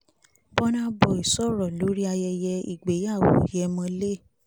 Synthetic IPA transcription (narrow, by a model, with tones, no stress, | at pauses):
bɔ˦nã˦bɔ˧˨i˨sɔ˦˨ɾɔ˨lo˨˦ɾi˦a˧jɛ˧jɛ˧ḭ˨ɡ͡be˨˦ja˦˨wo̰˨jɛ˨˧mɔ̃˧le˦˨